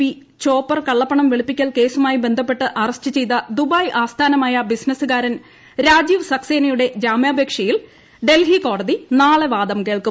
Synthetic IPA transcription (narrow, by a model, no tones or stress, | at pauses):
i | t͡ɕo̞ːpːɐrkɐɭːɐpːɐɳɐmʋiɭipːikʲːɐɭke̞ːsumaːjibe̞nd̪ʱɐpːe̞ʈːɨʔɐrɐstːɨt͡ɕe̞jt̪̬ɐd̪ubaːjʔaːst̪ʰaːnɐmaːjɐbisnɐsɨɣaːɾɐn | ɾaːd͡ʑiːʋɨsɐkseːnɐjuɽe̞d͡ʑaːmjaːbʱeːkʂɐjil | ɖe̞lɦiko̞ːɽɐðinaːɭɨʋaːd̪ɐmke̞ːɭku